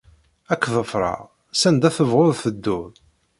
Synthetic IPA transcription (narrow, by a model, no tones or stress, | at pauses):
ækːðəfɾˤɑ̰ʁ | sænd̪æθəvʁʊðθəd̪ːʊð